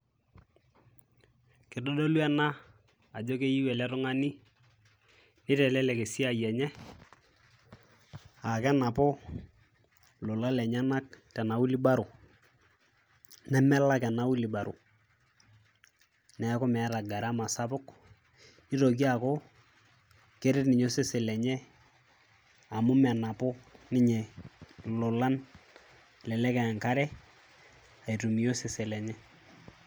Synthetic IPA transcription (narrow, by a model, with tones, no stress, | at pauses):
kɪ˨do˦do˦lwɛ˦na˦ | a˨d͡ʒo˦ke˦ji˦wɛ˨lɛ˦tʊ˦ŋa˦ni˦ | nɪ˦tɛ˨lɛ˦lɛ˨ke˨si˦a˨jɛ˨ɲɛ˦ | a˨kɛ˦na˨pɔ˦ | lɔ˨la˦lɛ˨ɲa˦na˦k̚tɛ˨na˨u˦li˦ba˦ɾʊ˨ | nɛ˦mɛ˦la˦kɛ˨na˦wu˦li˨ba˨ɾṵ˨ | nɛ˨a˦kɔ˦mɛ˨a˦ɾa˨ɡa˨ɾa˦ma˨sa˦bʊ˦k | ni˦ɾɔ˨ki˦a˨kɔ˦ | ke˦ɾɪ˦tnɪ˨ɲo˦sɪ˦se˨lɛ˨ɲɛ˦ | a˨mʊ˦mɛ˨na˨pɔ˦nɪ˦ɲɛ˨ | lʊ˨la˦n | lɛ˨lɛ˦kɛ˨a˨ŋka˦ɾɛ˦ | a˨i˨tu˨mi˨jo˦sɪ˨se˨lɛ˨ɲɛ˦